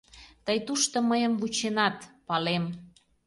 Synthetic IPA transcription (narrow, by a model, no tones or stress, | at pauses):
t̪əjt̪uʃt̪ŏməjəmvut͡ɕenɑt̪pɑlem